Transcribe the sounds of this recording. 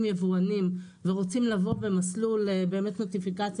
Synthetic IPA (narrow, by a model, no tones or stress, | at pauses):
mjevuanim | ve̞ʁo̞t͡simlavo̞be̞maslulebe̞ːmet̪no̞tifikat͡s